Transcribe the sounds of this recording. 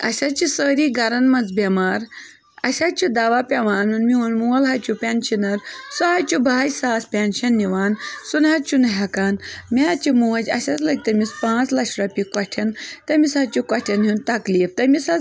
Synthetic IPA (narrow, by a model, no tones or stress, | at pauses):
ɐ̰ɕat͡ʃisəɾiɡɐɾɐnmɐd͡zbemaːɾ | ɐɕat͡ʃid̪aʋapʲeʋaːnunmiunmulɦajt͡ɕupʲenɕinɐɾsɔɦajt͡ʃubaːjsaːspʲenɕɐnːiʋaːnsunɦat͡ʃunɦɐkaːnmʲat͡ʃimoːd͡ʒɐ̰ɕat͡sləɡ̚t̪ɐmispãːt͡slɐʂɾapʲikɐʈʰɐnt̪ɐmisat͡ʃukɐʈʰɐnɦint̪ɐkliːft̪ɐmisa